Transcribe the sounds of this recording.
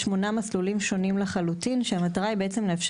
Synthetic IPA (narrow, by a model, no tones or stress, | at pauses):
ʃmo̞namaslulimʃo̞nimleχalutinʃeamataʁaibeet͡se̞mleːfʃ